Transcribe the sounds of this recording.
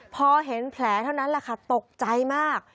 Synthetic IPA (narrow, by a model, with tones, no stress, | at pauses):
pʰɔː˧ɦe˩˦npʰlɛː˩˦t̪ʰa˥˩wna˦˥nla˧˩kʰa˥˩t̪o˨˩k̚t͡ɕa˧jmaː˥˩k̚